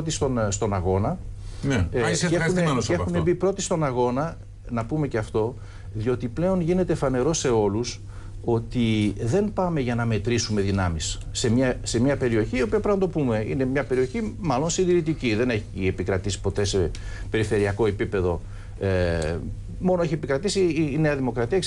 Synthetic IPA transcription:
ot̪ist̪onst̪o̞nɐɣo̞nɐneseuneɐexunebipɾo̞t̪ist̪o̞nɐɣo̞nɐ | nɐpume̞ceɐft̪o̞ | ðio̞t̪iple̞o̞nʝine̞t̪e̞fɐne̞ɾo̞se̞o̞lus | o̞t̪iðe̞npɐme̞ʝɐnɐme̞t̪ɾisume̞ðinɐmisː | emɲɐse̞mɲɐpe̞ɾio̞çiːo̞piɐpɾɐnɐt̪opume̞ḭne̞mɲɐpe̞ɾio̞çimɐlo̞nsind̪iɾit̪iciðe̞ne̞çiepikɾɐt̪isi̥po̞t̪e̞se̞pe̞ɾife̞ɾiɐko̞epipe̞ðo̞̰ | e | mo̞noeçie̞pikɾɐt̪isiːne̞ɐðimo̞kɾɐt̪iɐ

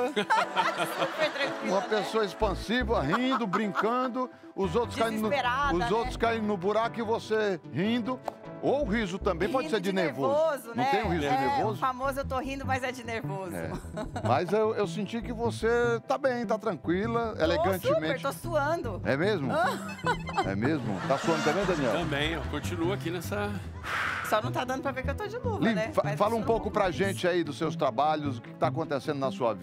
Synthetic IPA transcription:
fet̪ɾɐ̃kwiũmɐpesoɐespɐ̃sivɐɦĩd̪ʊbɾĩkɐ̃d̪ʊ | ʊzowt̪ɾʊ̥skaĩd̪ʊeɾaʊzowt̪ɾʊskaĩd̪ʊnʊbuɾakʊɪvosehĩd̪ʊowɦizʊt̪ɐ̃mbẽj̃pɔd͡ʒɪseɾd͡ʒɪneɾvozozʊnɐ̃t̪ẽj̃ʊhizʊd͡ʒɪneɾvozʊfamozʊewt̪oɦĩnd̪ʊmɐzɛd͡ʒɪneɾvozʊɛ̰mɐzewewsĩnt͡ʃikɪvoset̪abẽj̃t̪at̪ɾɐ̃kwilɐḛleɡɐ̃nt͡ʃɪmẽɾt͡ʃt̪osuɐ̃nd̪ʊɛ̰mezmʊ | ɛ̰mezmʊ̰t̪asuɐ̃nd̪ʊt̪ɐ̃bẽj̃d̪ɐniɛ̰w̪ɐ̃bẽj̃ɛkõt͡ʃinuakinɛsɐ | sɔnɐ̃w̃t̪ad̪ɐ̃d̪ʊpɾɐveɾkɪewt̪od͡ʒɪnovlĩnɛfafalũpowkʊpɾɐʒẽnt͡ʃɪaid̪ʊsewst̪ɾabaʎʊzʊkɪ̥kɪ̥t̪ak̬õnt̪esẽnd̪ʊnɐsuɐ̰v

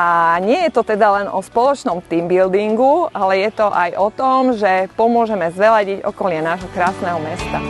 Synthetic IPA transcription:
aɲɪɛjɛt̪ɔt̪ɛd̪alɛnʔɔspɔlɔt͡ʃnɔmt̪imbild̪iŋɡualɛjɛt̪ɔʔajʔɔt̪ɔmʒɛpɔmʊɔʒɛmɛzʋɛlaɟiɟɔ̰kɔlɲɪanaːʒɦɔkɾaːsnɛɦɔmɛst̪a

